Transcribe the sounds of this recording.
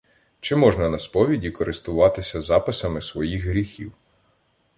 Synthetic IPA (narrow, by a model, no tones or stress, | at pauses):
t͡ʃɪmɔʒnɐnɐspɔʋʲidʲikɔɾʔɪst̪ʊʋɑt̪ɪsʲɐzɑpɪsɐmɪsʋɔjixɦɾʲixʲiw